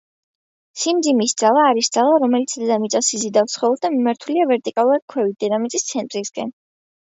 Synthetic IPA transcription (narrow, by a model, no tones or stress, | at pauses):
simd̪zimisd̪z̥alˠaːɾisd̪z̥alˠaɾɔmɛlit̪sʰd̪ɛd̪amit̪sʼasizid̪afsχɔɔɾd̪amimaɾt̪ʰuliavɛɾt̪ʼikʼalˠuɾad̪̥̚kʰwɛvid̪ɛnamit̪sʼist̪sʰɛnt̪ʼɾiskʼɛ̰n